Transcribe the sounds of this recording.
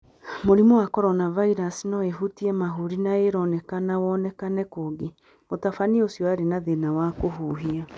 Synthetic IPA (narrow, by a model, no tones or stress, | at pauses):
moɾimɔwakɔɾɔnavaiɾasinɔweɦutiɛmaɦuɾinaeɾɔnɛkanawɔnɛkanɛkoɡe | motafaniosjɔaɾenaðenawakoɦuɦia